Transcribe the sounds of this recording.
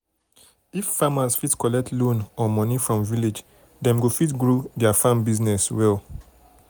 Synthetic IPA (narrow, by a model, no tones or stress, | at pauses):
ifːamazfitkɔlɛk̚tlõnɔmɔnifɹɔ̃mviled͡ʒ | dɛ̃mɡofitɡɹodɛafãmbiznɛswɛl